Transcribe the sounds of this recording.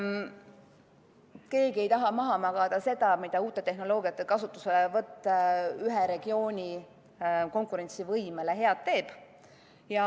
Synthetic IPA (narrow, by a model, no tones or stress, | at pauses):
ke̞ːɡ̥ie̞jt̪ɑɦɑmɑɦɑmɑɡ̥ɑd̪̥ɑse̞d̪̥ɑmid̪̥ɑuːt̪ːˑe̞t̪e̞ɦno̞lo̞ːɡiɑt̪ːˑekɑsut̪ːˑu̥se̞levɤt̪ːˑyɦeɾe̞ɡ̥io̞ːnʲi | ko̞ŋkˑuɾe̞nʲt̪sivɤjmele̞ɦe̞ɑt̪ːe̞ːb̥ | jɑ